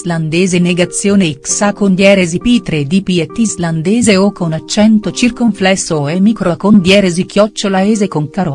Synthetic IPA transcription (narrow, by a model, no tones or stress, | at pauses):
zland̪eːzeneɡat̪sːjoːneiksakond̪jɛːɾezipit̪ɾed̪ipiet̪ːizland̪eːzeokounat͡ʃːɛnt̪ot͡ʃirkoɱflɛsːoemikɾokond̪jɛːɾezikjɔt͡ʃːolaeːzekoŋkaɾo